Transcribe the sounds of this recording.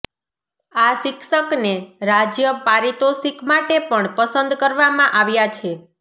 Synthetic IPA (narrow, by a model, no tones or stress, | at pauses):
aʃɪkʃəkneɾad͡ʒjəpaɾit̪osikmaʈepəɳpəsənd̪kəɾʋamãʔaʋjat͡ʃʰe